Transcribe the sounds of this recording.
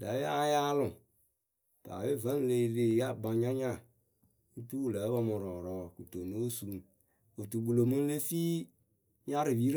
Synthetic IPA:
da˨˦e˦a˦ja˦lʊ˨ | ta̰˨we˦˨və˦n˦le˨le˨ja˦ba˨ɲa˦ɲa˦˨ | i˦tu˦wu˦˨lə˨˦bɔ˦mʊ˨ɾɔ˨ɾɔː˦ku˨to˨no˦su˨˦˨m | o˨tu˨bu˨lo˨mɨ˦le˦fiː˦ | ɲa˦ɾɪ˨wi˦ɾ

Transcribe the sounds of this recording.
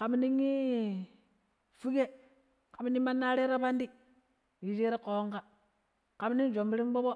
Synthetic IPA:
ka˨m˦ni˦ŋi˦ | fu˦ɡe˦ | ka˨m˦ni˦ma˦nːa˦ɾe˦ɾa˦ba˦ndi˦ | ji˨d͡ʒi˦ɾe˦ko˨o˦ŋka˦ | ka˨m˦ni˦ŋ˦d͡ʒo˨mbi˦ɾi˦ŋ˦bo˦bo˦

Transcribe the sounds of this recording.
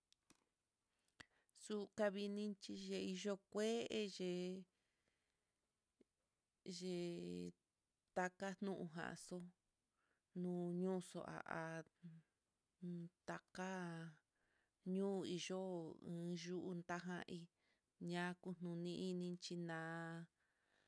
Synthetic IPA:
su˦ka˧βi˧nĩ˦t͡ʃi˧ʒe˧i˧ʒo˦kʷe˦ʔe˧ʒe˧ | ʒe˧ | t̪a˧ka˦n̥nũ˦ʔṵ̃˧ɦã̰˨˧so˦ | nũː˦ɲũː˦so̰˨ʔa̰˨ʔa˨˧ | t̪a˧ka˦ | ɲũː˦˧i˧ʒo˦ɨ̃ː˧˦ʒu˦ʔu˦nt̪a˦ɦã̰˧ʔi˧ | ɲã˦ku˧n̥nũ˧nĩ˧ʔi˧nĩ˧t͡ʃi˧nãː˧

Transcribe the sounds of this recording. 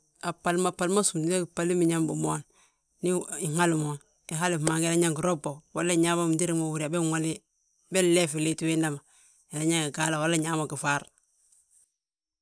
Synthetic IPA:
a˨pa˨lma˨pa˨lma˦su˨mdi˦na˦ki˨pa˦li˦mi˨ɲa˦mbu˨mo˦n | ni˦i˨ŋa˦lu˨moː˨n | i˨ɦa˦li˨ma˨ŋɡe˨na˦ɲa˦ŋɡi˨ɾo˦bo˨wa˦la˦˨ɲa˦ma˦m˨di˦ɾi˦mo˨wu˨ɾi˨a˨be˦ŋa˦li˦ | be˦le˦fi˨li˦ti˦we˦nda˦ma˨ | e˨la˦ɲa˦ŋɡi˨ɡa˦la˨wa˦le˦ɲa˦ma˨ki˨fa˦ɾ

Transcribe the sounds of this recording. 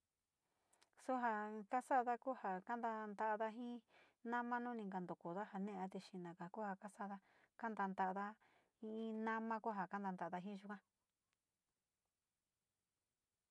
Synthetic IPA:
su˦ɦa˧ka˦sa˦˧ða˦ku˦ha˧ka˦nd̪a˧nd̪a˧ða˧ɦĩ˦ | nã˦mã˦nũ˦nĩ˧ŋɡa˨nd̪o˨ku˨ða˦ha˧nẽ˦˧a˧t̪e˧ʃi˧nã˨ka˨ku˦ha˧˨ka˦sa˦ða˧ | ka˦nd̪a˧nd̪a˧ʔða˧ | hĩ˧ĩ˦nã˦mã˧ku˦ɦa˨ka˦nd̪a˧nd̪a˧˨a˧ða˧ɦĩ˦˧ʒu˧kã˦

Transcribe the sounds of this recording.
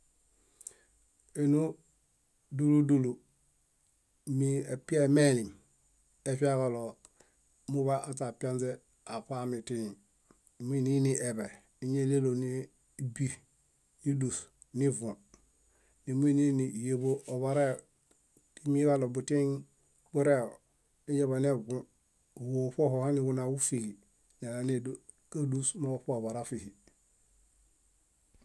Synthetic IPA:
e˨nu˦ | du˦lu˦du˦˨lu˨ | mi˨e˨pi˦e˦me˦li˨m | e˨fi˦a˦ko˨lo˨ | mu˦βa˦ʔa˨ta˨pa˦nze˦ | a˨pa˦mi˨ti˦ni˨ | mi˦ni˦ni˦ʔe˨be˨ | i˦ɲe˦le˦lo˨ni˦ | bi˦ | ji˦du˨s | ni˦vũ˨ | ni˨m˦i˦ni˦ni˨je˨bo˦ʔo˨βa˨ɾe˦˨ | ti˦mi˦βa˦˨lo˨bu˨ti˦ŋ | bu˦ɾe˦o˨ | i˦ɲe˦βa˨ne˦bũ˦˨ | wo˨po˦ho˨ha˦ni˨wu˦na˨wu˦fi˨ɡi˨ | ɲa˨na˨ne˦ | ka˦du˦sma˦o˨po˦o˨βa˨ɾa˦fi˨hi˨

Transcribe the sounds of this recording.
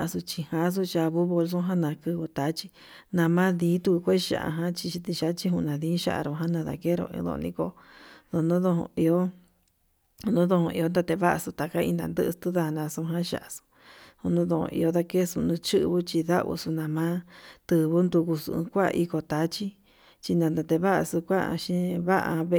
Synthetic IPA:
a˧su˧t͡ʃi˧hã˧˦s̬u˦t͡ʃa˧βu˦βo˧s̬ũ˦ɦã˦nã˧kɨ˧βu˧t̪a˨˦t͡ʃi˦ | nã˧mã˦ðiː˨˦t̪u˧ku˧kʷe˦ʃa̰˧˨ʔa̰˧ɦã˦t͡ʃi˧ʃi˧t̪i˧ʃa˧˦t͡ʃi˧˦ɦũ˧nã˨ðĩː˦ʃa̰˧˦ʔa̰˧ɾõ˧ɦã˦nã˧ða̰˧ke˦ɾõ̰˧ðõ̰˧nĩ˧ko˧ | ðo˧nũ˦ðõ˧hõ̰˧i˧o˦˧ | nũ˦ðo˧hõ˧ʔi˧o˦nd̪a˧t̪e˧βa˦ʔa˧su˧t̪a˨˧ka˦ḭ̃˧nã̰˧nd̪ɨ˦˧t̪u˦ða˧nã˧sũ˧ɦã˦ʃa̰˧ʔa˧su̥˧ | hu˧nũ˦ðo˧õ̰˧ʔḭ˧o˧˦ða˧ke˦su˧nũ˧t͡ʃɨ˦ʔβu˦t͡ʃi˧ða˦βṵ˧su˧nã˧mã˦t̪ɨ˧˨βu˦nd̪u˧ku˧sṵ̃˧kʷa̰˦˧ʔi˧ko˧t̪a˨˦t͡ʃi˦ | t͡ʃi˧nã˧nd̪a˧t̪e˧βa˦ʔa̰˧˨su˧kʷa˦ʔʃĩ˦βa˦ʔa̰˧βe˧

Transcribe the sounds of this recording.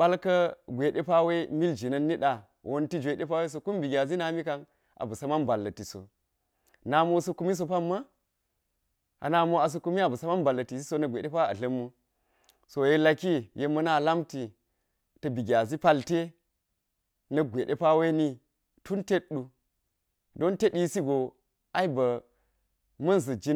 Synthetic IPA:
ɓa˦lkɐ˦ɡʷe˨ɗe˦pa˦we˦mi˦ld͡ʒi˨nɐ˦nːi˦ɗa˨ | wʔo˦nti˦d͡ʒʷe˨ɗe˦pa˦we˦s̬o˨ku˦mbi˨ɡʲa˨zi˦na˨˦mi˦ka˦n | ʔa̰˨bu˨sa˦ma˦nba˨lːɐ˨ti˨so̰˨ | na˨mo˦so˦ku˦mi˦s̬o˨pa˦mːa˦ | a̰˨na˨mo˦a˨s̬o˨ku˦mi˦a˨bu˨sa˦ma˦nba˨lːɐ˨ti˨si˦so˦nɐ˨ɡʷḛ˨ɗe˦pa˦a̰˨ɬɐ˦mːu˦ | so˨je˦la˦ki˦je˨˦mɐ˦na˦˨la˦mti˨ | tɐ˨bi˨ɡʲa˨zi˦pa˦lte˦ | nɐ˨ɡʷe˨ɗe˦pa˦we˦ni˦ | tu˦nte˦ɗu˨ | do˦nte˦ɗi˦si˦ɡo˨ | a˦i˦bɐ˨ | mɐ˦nzɐ˨d͡ʒi˦

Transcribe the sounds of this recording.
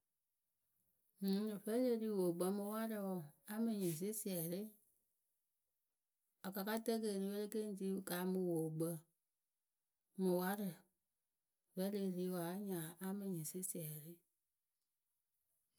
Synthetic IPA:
vɛ˦le˧˨ɾi˧˦˨wo˨ɡ͡bə˧mũ˧˦wa˦ɾɨ˧wɔ˧˨a˦mĩ˧ɲĩ˨s̬i˦si˦˨ɛ˨ɾe˦ | a˨ka˨˧ka˦tə˦kə˧˨ɾi˧˦wə˦ɾe˦ke˦n˦˨ti˦˧˦ka˨˦mũ˧wo˨ɡ͡bə˧ | mũ˨wa˦ɾɨ˨ | vɛ˦le˧˨ɾi˧˦wa˨˦ɲã˨a˦mĩ˧˨ɲĩ˨si˦si˨ɛ˨ɾɨ˦

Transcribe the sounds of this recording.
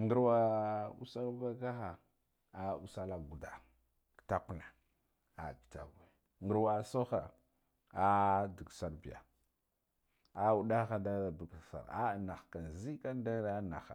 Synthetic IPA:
ŋɡə˦ɾwa˦ṵ˦sa˦lba˦ka˦xa˨ | a˨u˦sa˦la˨ɡu˨da˨ | ɡta˦ku˨na˨ | a̰˨ɡi̥˨ta̰˨ɡi˨ | ŋɡə˨ɾwa˨so˦xa̰˨ | a˦di˨ɡsa˦ɾbi˨ja̰˨ | a˨u˨ɗa˦xa˦da˦a˨bi˨ɡsa̰˨ɾa˦˨na˨xka˨n˨zi˦ka˦n˦da˦ɾa˦na̰˨xa˨

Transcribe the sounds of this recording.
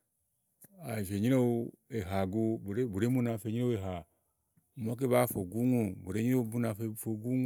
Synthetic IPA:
a˨i˨fe˨ɲi˦ɾe˦u˦e˨ɦa˨ɡu˦bu˨ɾe˦bu˨ɾe˦mu˦na˨fe˨ɲi˦ɾe˦we˨ɦa˨ | u˨mo˦k̬e˦βa˦fo˨ɡu˦ŋu˦bu˨ɾe˦ɲi˦ɾo˦bu˦na˨ffo˨ɡu˦ŋ˦

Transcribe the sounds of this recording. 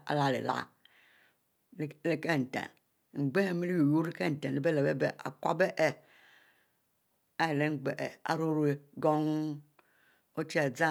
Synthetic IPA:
a̰˨la˨lḛ˨la̰˦ | le˦ke˦˨n̩˨tḛ˨n | ŋ͡m̩˨ɡ͡be˦˨mi˦li˦jo˨ju˦i˦ke˦n̩˨te˨le˦be˦le˨be˦be˨a̰˨kʷa˦be˦ʔe˨ | a˦˨le˦ŋ͡m̩˦˨ɡ͡be˨ʔḛ˨a̰˨ɾo˦ɾu˦e˦ɡo˦ŋ | o˦t͡ʃe˨d͡za˦

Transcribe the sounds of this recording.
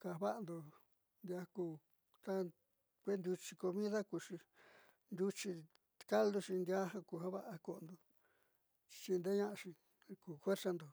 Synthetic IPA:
ka˨βa˦ʔa˧nd̪o˧ | nd̪ja˧kuː˧ | t̪a˦ | kʷe˦nd̪ʲu˧t͡ʃi˧ko˧mĩ˦ða˦kuː˨ʂi˧ | nd̪ʲu˧t͡ʃi˧ | ka˦ld̪u˧ʃi˧nd̪ja˦hã˧kuː˧˨ha˦βa˦ʔa˧ko˧˨˧nd̪o˧ | t͡ʃi˧nd̪e˦ɲã˦ʔʃĩ˧ | kuː˨fwe˦ɾsa˧nd̪o˨

